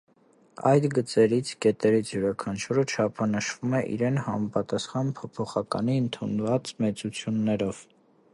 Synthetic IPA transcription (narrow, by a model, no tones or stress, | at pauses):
ɑ̰jt̪ɡət͡sɛɾit͡sʰkɛt̪ɛɾit͡sʰjuɾɑkʰɑnt͡ʃʰuɾət͡ʃʰɑpʰɑnəʃvumɛʔḭɾɛnhɑmɑpɑt̪ɑsχɑnpʰɔpʰɔχɑkɑ̰niənt̪ʰunvɑt͡smɛt͡sut͡sʰjunːɛɾɔv̥